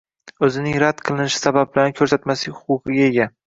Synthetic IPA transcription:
ɵzɪnɪŋɾad̪̥qʰɨlˠɪnɪʃɪ̥sabab̚bɪlanɪkʲʰɵɾsat̪masɪhʊqʊqɨɡʲaeɡʲa

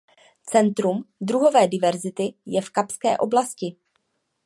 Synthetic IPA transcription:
t͡sɛnt̪ɾumd̪ɾuɦo̞vɛːdɪvɛɾzɪt̪ɪjɛfkapskɛ̰ːʔo̞blascɪ

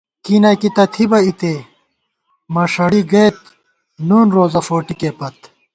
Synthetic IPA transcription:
kiːnɐkit̪ɐt̪ʰibɐit̪eː | mɐʂɐɽiɡet̪̚ | nuːnɾoːzɐfoːʈikepɐt̪

